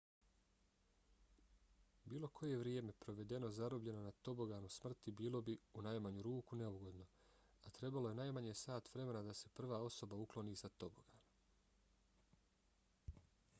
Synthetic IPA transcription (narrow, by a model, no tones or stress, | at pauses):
biːlˠo̞kʰo̞je̞ʋɾjeːme̞pɾo̞ʋe̞d̪e̞no̞zaɾobʎe̞no̞nat̪o̞bo̞ɡanusmr̩t̪ibiːlˠo̞biunajmaɲuɾuːkune̞uɡo̞d̪no̞ | at̪ɾe̞balo̞je̞najmaɲesaːt̪ʋɾe̞me̞nad̪ase̞pr̩ʋaːo̞so̞bauklˠo̞niːsat̪o̞bo̞ɡ̥aːn